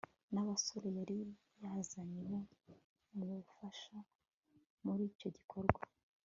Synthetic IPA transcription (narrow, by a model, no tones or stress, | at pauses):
naβasoɾejaɾi | jazaɲiβo̞ | muufaʃa | muɾiːco̞ɟikʰo̞ɾɡwa